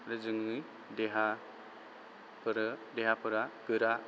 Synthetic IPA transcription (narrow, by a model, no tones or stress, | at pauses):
ɾɯzɯŋɯj | deɦa | pɾdeɦapɯɾaɡ̥ɯɾa